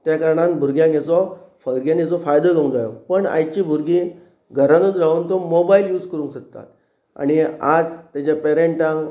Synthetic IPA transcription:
t̪jakəɾɳ̃anbʱuɾɡjãŋɛt͡sɔfəlɡjãnet͡sɔfajd̪oləũd͡zajɔpəɳa̰jt͡ɕibʱuɾɡĩ | ɡʱəɾanud͡zɾauːnt̪ɔmobailjuːd͡zkəɾũŋɕək̚t̪a̰t̪ | a̰ɽ̃iad͡zt̪at͡ɕapeɾeɳʈãŋ

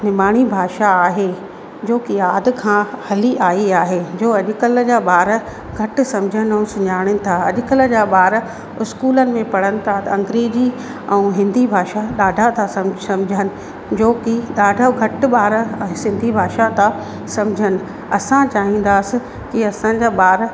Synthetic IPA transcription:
nɪmaːɽ̃ibʱaːʃaaːɦe | d͡ʑoːkɪjaːd̪ɪ̆kʰãːhɐliʔaːiaːɦed͡ʑoːɐʄʊkələd͡ʑaːɓaːɾə | ɡʱɐʈ̆sɐ̃md͡ʑʱənɪ̆ɛ̃ũsʊɲaːɽ̃ənɪ̆t̪ʰaɐʄʊkələ̆d͡ʑaːɓaːɾ | ʊskuːlənɪ̆mẽpɐɽənɪ̆t̪ʰat̪ɐ̃ŋɡɾiːd͡ʑi | ɛ̃ũɦɪ̃nd̪ʱibʱaːʃaɗaːɖʱat̪ʰãsɐmsɐ̃md͡ʑʱənɪ̆ | d͡ʑoːkɪɗaːɖʱaɡʱɐʈ̆ɓaːɾsɪ̃nd̪ʱibʱaːʃat̪ʰa | sɐ̃md͡ʑʱənɪ̆ | ɐsãt͡ɕaːɦĩːn̆d̪aːsɪ̆ | kiɐsãːd͡ʑaːɓaːɾ

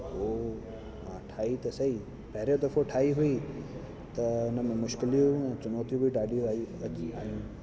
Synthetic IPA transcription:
o | mãːʈʰaːit̪ɐsɐɦi | pɐɦɪɾjod̪ɐfoʈʰaːiɦʊi | t̪ɐʊnə̆mẽmʊʃkɪlijũũɛ̃ːt͡ɕʊnoːt̪ijũbʱiɖaːɖijũaːuɐt͡ɕia̰ːɦijũ

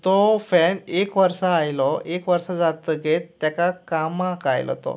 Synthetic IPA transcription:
t̪ɔfɛnekʋəɾsaːjlɔekʋəɾsad͡zat̪əɡet̪ːjakakamãkajlɔ̰t̪ɔ̰

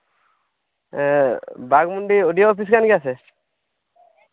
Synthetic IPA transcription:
baɡmuɳɖioɖijoːpis̬kanɡiase

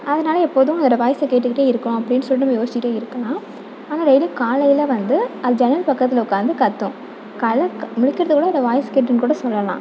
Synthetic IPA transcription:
ɐðɐnaːlɐɛpːoːðɯʊ̃ɐnd̪ɐɽɐʋaːjsɐkeːʈːɯkːɪʈːeːɪɾɯkːɐ̃ɐpːɐɽɪnːɯsɔlːinɐmːɐjoːsɪt͡ʃɪkɪʈːeːɪɾɯkːɐlãː | aːnaːɾɛjɪlɯkːaːlɐjɪlɐʋɐnd̪ɯɐðd͡ʒɛnɐlpɐkːɐt̪ːɪlɐʊkːaːnd̪ɯkɐt̪ːʊ̃ | kɐlɐmʊɻɪkːɪɾɐðɯkuːɽɐnd̪ɐʋaːjɐskeːʈːɐnkuːɽɐsɔlːɐlã̰ː

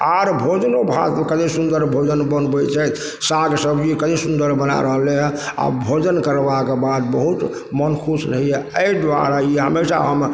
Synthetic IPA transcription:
aɾbʱod͡ʒənobʱat̪mekəd̪esund̪əɾbʱod͡ʒənbənbɛt͡ʃʰɛt̪ | saɡsəbʱikəd̪esund̪əɾbəna̰ɾəɦleɦa̰bʱod͡ʒənkəɾbakebad̪̚bəɦut̪ | mənkʰusɾəɦiɛəid̪ʋa̰ɾaiɦə̰mesa̰ɦəm

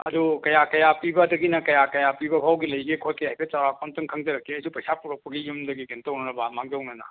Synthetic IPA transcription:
ɐdukɐjakɐjapibɐdɐɡinɐkɐjakɐjapibɐbʱawɡilɐjɡikʰot̚keɦajpʰet͡ʃawɾakʰɔntɯŋkʰɐŋd͡ʒɐɾɐkːiɐjsupɐjsʰapuɾɐk̚pɐɡijumdɐɡiɡintɐunɐnɐbamaŋɡiɔwnɐnɐ̰

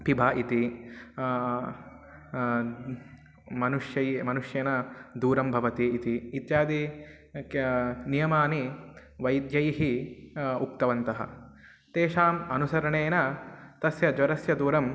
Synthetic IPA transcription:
pibʱaːʔit̪i | mɐnuʂjɐjmɐnuʂjeːnɐd̪uːɾɐmbʱɐʋɐt̪iːt̪iːt̪jaːd̪i | nijɐmaːni | ʋɐjd̪jɐjɦi | uk̚t̪ɐʋɐnt̪ɐɦɐ̰̆ | t̪eːʂaːmɐnusɐɾɐɳeːnɐt̪ɐsjɐd͡ʒʋɐɾɐsjɐd̪uːɾɐm

